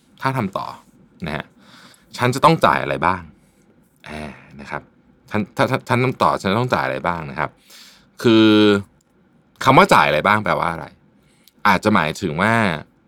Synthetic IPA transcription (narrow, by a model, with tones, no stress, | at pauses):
t̪ʰaː˥˩t̪ʰa˧mt̪ɔ̰ː˨˩ | na˦˥ha̰˦˥ | t͡ɕʰa˦˥nt͡ɕa˨˩t̪ɔ˥˩ŋt͡ɕa̰ː˨˩jʔa̰˧ɾa̰˧jbaː˥˩ŋ | ʔɛː˨˧˩na˦˥kʰa̰˦˥p̚ | t͡ɕʰa˦˥nt̪ʰaː˥˩t̪ʰa˥˩t͡ɕʰnt̪ʰa˧mt̪ɔ̰ː˨˩t͡ɕʰa˦nt͡ɕa˨t̪ɔ˥˩ŋt͡ɕaː˨˩jʔa˧ɾa̰˧jbaː˥˩ŋna˦˥kʰa̰˦˥p̚ | kʰɯː˧ | kʰa˧mwaː˥˩t͡ɕaː˨˩jʔa˧ɾa˧jbaː˥˩ŋpɛː˨˩wa̰ː˥˩ʔa˧ɾa̰˧j | ʔaː˨˩t̪̚t͡ɕa˨˩maː˩˦jt̪ʰɯ˩˦ŋwaː˥˩